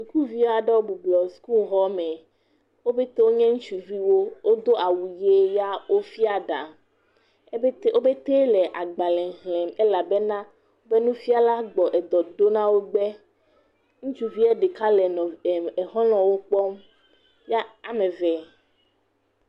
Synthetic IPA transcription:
si˨ku˦vi˦wa˨ɖɛ˦wo˦bu˨ɡ͡blɔ˨sku˦ɦɔ˦mɛ̃˨ | wo˦be˦t̪e˦wo˦ɲɛ̃˦ŋũ˦t͡ʃu˨vi˦wo˦wʔo˦d̪o˦a˨wu˨je˦ja˦wo˦fi˦a˨ɖa˨ | e˦be˦wʔo˦be˦t̪e˦lɛ˨ʔa˨ɡ͡ba˨lɛ̃˨ɦlɛ˨mɛ˦la˨be˦nã˦ | o˦be˦nũ˦fi˦a˦la˦ɡ͡bɔ˨ʔɛ˨d̪ɔ˨ɖo˦nã˦wo˦ɡ͡bɛ˦ | ŋũ˦t͡ʃu˨vi˦ɛ˦ɖe˨ka˦lɛ˨nɔ̃˨e˨ɦɔ̃˦lɔ̃˨wo˦k͡pɔ˦m | ja˦a˨mɛ̃˨vɛ˨

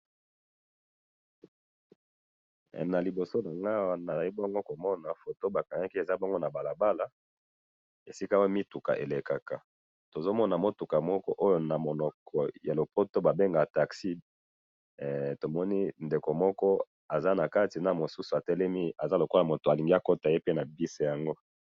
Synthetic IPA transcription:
na˨li˨bo˨so˦na˨ŋɡa˦wa˦na˨za˨li˦bŋɡo˦ko˨mɔ˦na˨fo˨to˦ba˨ka˨ŋa˦ki˦e˨za˦bo˦ŋɡo˦na˨ba˨la˨ba˦la˨˦ | e˨si˦ka˦o˦o˦mi˦tu˨ka̰˨ʔḛ˨le˨ka˨ka̰˨ | to˨zo˦mɔ˦na˨mo˦tu˨ka˨mɔ˦kɔ˦ʔo˦jo˦na˨mo˨nɔ˨kʰɔ˨ja˨lo˨po˦to˦ba˨be˦ŋɡa˨ta˨ksi˦˨ | to˨mɔ˦ni˦nde˨ko˨mɔ˦kɔ˦ | a˨za˦na˨ka˦ti˨na˦˨mo˨su˦su˨a˨tɛ˦lɛ˦mi˦a˨za˦lo˨ko˦a˨mo˨to˨a˨li˨ŋɡi˦a˨ko˦ta˨je˦pe˦na˨bi˦se˦ja˨ŋɡo˦

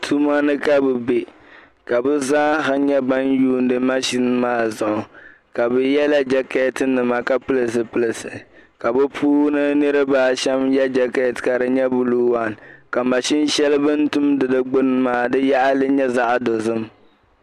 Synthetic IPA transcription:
tʰu˦ma˦nɨ˦ka˦bɨ˨be˨ | ka˨bɨ˦zaː˦ɦa˦ɲɛ˦ba˦njuː˦n˦dɨ˨ma˦ʃi˦n˦maː˦zʊ˨ʔʊ˨ka˨bɛ˨jɛ˦la˦d͡ʒa˦kɛ˦tɨ˦nɨ˨ma˨ka˦pɨ˦lɨ˨s̬ɨ˨pɨ˦lɨ˨sɨ˨ka˨bɨ˦pʰuː˦nɨ˦nɨ˦ɾɨ˦baː˦˨ʃɛ˦mjɛ˦d͡ʒa˦kɛ˦˨tka˨ɾɨ˦ɲɛ˦bu˦lu˦wa˦˨n˨ka˨ma˨ʃɪ˦n˦ʃɛ˦lɨ˦bɨ˦n̩˦tu˦mdɨ˨dɨ˦ɡ͡bʊ˦n˦maː˦dɨ˦ja˦ʔa˦lɨ˦ɲɛ˦za˦ʔa˨do˨zɨ˦m

